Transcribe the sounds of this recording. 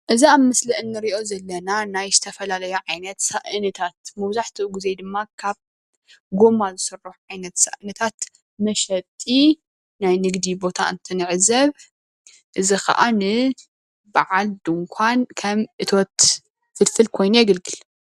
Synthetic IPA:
ʔɨziaβmɨslɐʔɨnːɨɾiʔo̞zɐlːɐnanajzɨt̪ʰɐfɐlalɐjuʕajnɐt̪saʔɨnɐt̪ʰat̪mɐβzaħt̪ʰɨʔuɡizejd̪ɨmːakʰaβ | ɡo̞mazɨsɨrːuħʕajnɐt̪sa̰ʔɨnɐt̪ʰat̪ | mɐʃɐt̪ʼːi | najnɨɡd̪ibo̞t̪ʰaɨ̰nt̪ʰɨnɨʕzɐβ | ʔɨzixɐ̰ʔanɨ | baʕald̪ɨŋkʷʰankʰɐmʔɨt̪ʰo̞t̪ | fɨlfɨlkʰo̞jnujɛɡɨlɡɨl

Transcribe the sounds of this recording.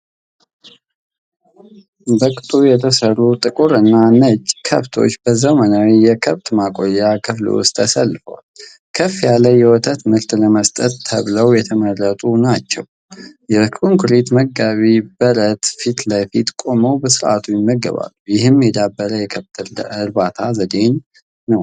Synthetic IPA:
bəkʼt̪ʼujɛt̪ʰəsərːut̪ʼɨkʼuɾɨnːanət͡ʃːkʰəβt̪ʰo̞̰t͡ʃːbəzəmənawijɛkʰəβt̪makʼo̞jːakʰɨflṵwʊ̰st̪ʰʼəsəlːfə̰wal | kʰəfjaləjːɛwɔt̪ʰət̪mɨɾt̪ləməst̪ʼət̪ːʰəβləwjɛt̪ʰəmərːət̪ʼunat͡ʃːɛw | jɛkʰʼuŋkʰuɾit̪məɡaβibəɾət̪fit̪lajfit̪kʼo̞məwbəsɨɾʔat̪ʰujɪmːəɡə̰βa̰lːujɪɦɨmjɛd̪abːəɾəjɛkʰəβt̪ʰɨɾɨɾbat̪ʰazəd̪e̞nː | əw

